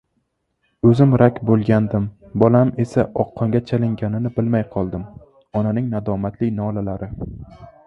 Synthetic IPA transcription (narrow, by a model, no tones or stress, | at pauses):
ɵzɪmɾakʲbolˠɡʲand̪ɪm | bɒlame̞saʔɒqʰːɒŋɡʲat͡ʃʰalɪŋɡʲanɪnɪbɪlmajqʰɒlˠd̪ɪm | ɒnanɪŋnad̪ɒmat̪lɪjnɒlalaɾɪ